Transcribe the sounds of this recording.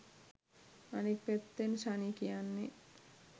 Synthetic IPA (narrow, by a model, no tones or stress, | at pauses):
anik̚pet̪ːensanikijanːe